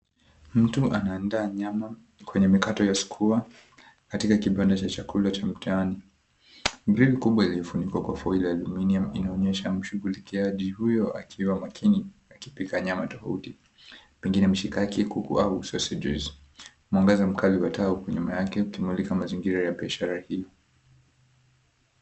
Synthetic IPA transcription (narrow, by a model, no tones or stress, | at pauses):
m̩tuʔanaːndaːɲama | kwɛɲɛmikatɔjasu̥kʰua | katikakiɓandat͡ʃat͡ʃakʰulat͡ʃam̩tʰaani | bɾivikuɓwailiɔfunikwakwafailijalɔminiamḭnaɔɲɛʃam̩ʃuɣulikiaʄihujɔa̰kʰiwamakʰiniakipikaːɲamatɔfauti | pɛŋɡinɛm̩ʃikakikukṵausɔsɛd͡ʒɛ̰z | umɔŋɡɛzam̩kʰaliwataukuɲumajakɛukimulikamaziŋɡiɾajaɓiaʃaɾahijɔ